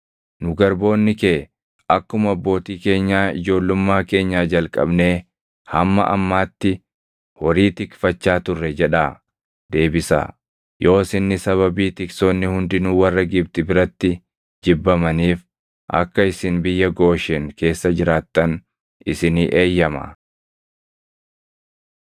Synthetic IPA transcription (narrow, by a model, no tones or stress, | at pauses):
nʊɡɐɾbo̞ːnːɪkeː | ʔɐkːʊmɐbːo̞ːt̪iːke̞ːɲːaːɪ̰d͡ʒo̞ːlːʊmːaːke̞ːɲːaːd͡ʒɐlkʼɐ̰bne̞ː | hɐmːɐ̰ʔɐ̰mːaːt̪ːɪ | hɔɾiːt̪ɪkfɐt͡ʃːaːt̪ʊrːɛd͡ʒɛᶑaː | d̪e̞ːbɪsa̰ː | jʔo̞ːsɪnːɪsɐβɐbiːt̪ɪksoːnːɪhʊnd̪ɪnuːwɐrːɐɡɪb̚t̪ɪbɪɾɐt̪ːɪ | d͡ʒɪbːɐmɐniːf | ʔɐ̰kːɐɪsɪnbɪjːɐɡo̞ːʃɛŋke̞ːsːɐd͡ʒɪɾaːt̪ːɐn | ʔɪsɪniːʔe̞ːjːɐmɐ̰